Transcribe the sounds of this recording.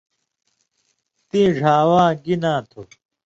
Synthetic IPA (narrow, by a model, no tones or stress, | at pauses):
t̪ĩːʐʱaːwãːɡinãːt̪ʰo